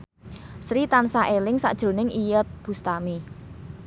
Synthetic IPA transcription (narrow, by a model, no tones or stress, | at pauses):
sɾit̪ansaʔelɪŋsa̰ʔd̥ʒ̥ɾo̤nɪŋijət̪̚b̥ṳst̪ami